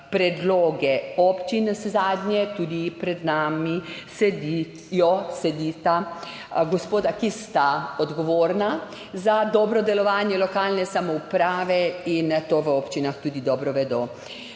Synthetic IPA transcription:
pɾɛd̪loːɡɛɔpt͡ʃinszaːd̪nʲjɛt̪uːd̪ipɾɛd̪naːmisɛd̪i | jɔsɛd̪iːt̪a | ɡɔspoːd̪akist̪aɔd̪ɡɔʋoːɾna | zad̪ɔbɾɔd̪ɛlɔʋaːnjɛlɔkaːlnɛsamɔupɾaːʋɛint̪oːʋəɔpt͡ʃinaxt̪uːd̪id̪ɔːbɾɔʋɛd̪oː

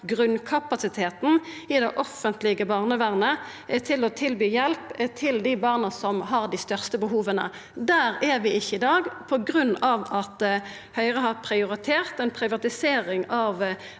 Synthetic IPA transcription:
ɡʁʉnkʰɑpɑsɪt̪ʰeːt̪n̩ | ɪd̪ɛʔɔfənt̪lɪɡəbɑːʁnəʋæːʁnə | t̪ʰɪlɔt̪ʰɪlbyːjɛlpt̪ʰɪld̪ɪbɑːʁnəsɔmɦɑʁd̪ɪst̪œʁst̪əbəɦuːʋənə̰ | d̪æːʁɛʁʋɪɪçːəɪd̪ɑːɡpʰɔɡʁʉnːɑʋɑt̪ | hœʏʁəɦɑʁpʰʁɪʊʁɪt̪ʰeːʁt̪ɛnpʰʁɪʋɑt̪ɪseːʁɪŋɑʋ

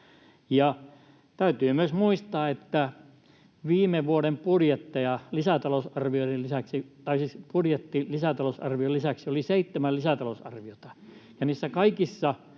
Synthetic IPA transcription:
jɑ | t̪æyt̪yːmyøsmuist̪ɑːet̪ːæ | ʋiːmeʋuoɾempurjet̪ːɑjɑlisæt̪ɑlosɑrʋioiɾellisæksit̪ɑisipurjet̪ːilisæt̪ɑlosɑ̰rʋiolisæksioliseit̪ːemællisæt̪ɑlosɑ̰rʋiot̪ɑjɑniːsːækɑikisːɑ

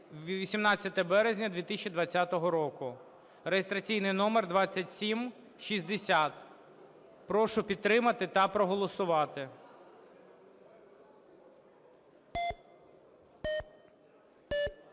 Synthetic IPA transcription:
ʋʲisʲimnɑt͡sʲːɐt̪ɛbɛɾezʲnʲɐd̪ʲʋʲit̪isʲt͡ʃʲid̪ʋɐt͡sʲːat̪ɔɦɔɾɔkʊ | rejest̪ɾɐt͡sʲijnɪjnɔmerd̪ʋɑt͡sʲːɐtʲsʲim | ʃizʲd̪esʲat̪ | pɾɔʃʊpʲid̪̚t̪ɾɪmɐt̪ɪt̪ɐpɾɔɦɔlˠɔsʊʋɑt̪ɪ

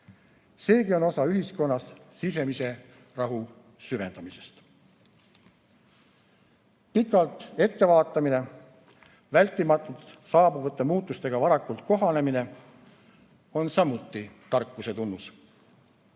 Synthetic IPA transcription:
se̞ːɡio̞no̞sɑyɦisko̞nːɑssis̬e̞mise̞ | rɑɦu | syve̞nd̪̥ɑmise̞st̪ | pikːˑɑlt̪ˑe̞t̪ːe̞vɑːt̪ˑːɑmine̞ | vælʲt̪ːˑimɑt̪ːˑut̪sɑːbuvɤt̪ːˑemuːt̪ːˑust̪e̞ɡ̥ɑvɑɾɑkːult̪̚ko̞ɦɑne̞mine̞ | o̞nsɑmut̪ːˑit̪ɑrkːˑuse̞t̪unːus

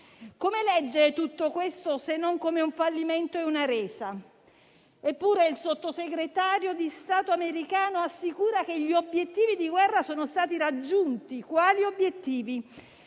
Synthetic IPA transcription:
komelɛd͡ʒːeɾet̪ut̪ːokwest̪osenːoŋkomeuɱfalːiment̪oɛunaɾeːsa | epːuːɾeilsot̪ːoseɡɾet̪aːɾjod̪ist̪aːt̪oameɾikaːnoasːikuːɾak̟eʎːiobjet̪ːiːvid̪iɡwɛrːasoːnost̪aːt̪iɾad͡ʒːunt̪ikwaːliobjet̪ːiːvi

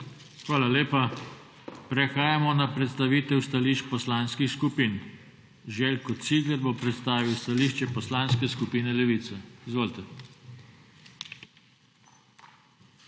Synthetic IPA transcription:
xʋaːlaleːpa | pɾɛxaːjamɔnapɾɛt̪st̪aʋiːt̪ɛwst̪aliːʃt͡ʃpɔslanskixskupiːn | ʒɛlkɔt̪siːɡlɛɾbopɾɛt̪st̪aːʋiwst̪aliːʃt͡ʃɛpɔslaːnskɛskupiːnɛlɛʋiːt̪sɛizʋoːlt̪ɛ

